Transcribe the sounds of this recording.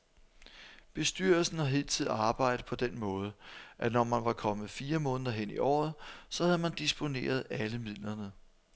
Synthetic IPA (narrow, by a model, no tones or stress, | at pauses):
b̥e̝sd̥yɐlsn̩hɑ̈ɦe̝ːlt͡sʰið̰̩ˠɑ̈ːb̥ɑ̈ɪ̰d̥ð̩pʰɒ̽d̥enmɔ̽ːð̞ˠəʔænɒmænʋɑ̈kʰɒ̽mð̩ˠfiːɐmɔ̽ːnðˠɐɦen̰iʔɒ̰ːð̩ˠsɒ̽hæðˠmænd̥isb̥o̝ne̝̰ːɐð̞ˠæləmið̰ˠlɐnə